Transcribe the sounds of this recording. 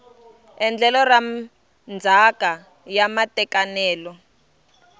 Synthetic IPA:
ɛnd͡ɮʱɛlɔra | nd͡zʱaka | jamatɛkanɛːlɔ

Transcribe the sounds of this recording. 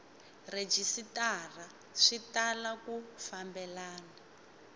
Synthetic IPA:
red͡ʒisitar̤a | ʂitalakufambɛlaːna

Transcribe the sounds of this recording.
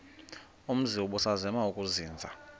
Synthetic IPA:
um̩ziwɔɓusazɛmaukʼuziːnd͡zʱa

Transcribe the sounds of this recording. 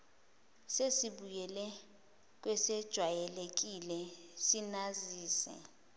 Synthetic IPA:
sesiɓujɛlɛ | k̬wɛsɛd̥ʒ̥ʱwajɛlek̬ilɛsinaziːsɛ̰

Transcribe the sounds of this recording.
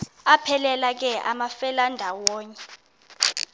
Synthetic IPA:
apʰɛlɛlak̬ɛʔa̰mafɛlandʱawɔːɲɛ

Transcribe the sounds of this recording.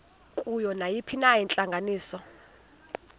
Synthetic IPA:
kʼujɔnajipʰinajint͡ɬʼaŋɡʱaniːsɔ

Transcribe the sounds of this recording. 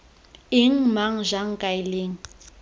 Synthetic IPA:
ɪŋ̩maŋ̩ʒaŋ̩kʼaɪleːŋ̩

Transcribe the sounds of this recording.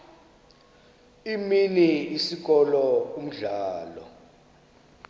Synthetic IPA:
iminiːsik̬ʼɔlɔum̩ɮaːlɔ̰

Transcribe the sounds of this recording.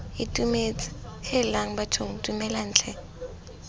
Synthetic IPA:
ɪtʼumet͡sʼɪ̥hɪlaŋ̩bat͡ʃʰoŋ̩tʼumɛlan̩ːt͡ɬʰɛ

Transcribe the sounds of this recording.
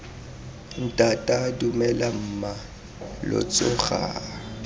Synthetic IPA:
n̩tʼatʼadumɛlam̩ma | lʊ̰t͡sʼʊɣa̰

